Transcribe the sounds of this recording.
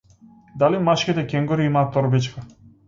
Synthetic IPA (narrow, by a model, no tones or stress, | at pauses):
d̪alimaʃkʲit̪ɛkʲɛŋɡɔɾiimaːt̪ːɔɾbit͡ʃka